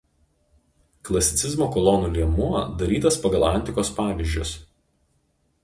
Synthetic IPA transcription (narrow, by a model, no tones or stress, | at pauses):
klˠɐsʲɪt̪sʲɪzmoːkɔlˠɔnuːlʲiɛmuɔd̪ɐɾʲiːt̪ɐspɐɡɐlˠɐnʲt̪ʲɪkoːspɑːʋʲiˑʒʲd͡ʒʲʊs